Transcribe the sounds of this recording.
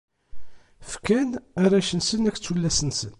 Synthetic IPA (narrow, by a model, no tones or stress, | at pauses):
fkænæɾæʃənsənæçt͡sːulːæsənsən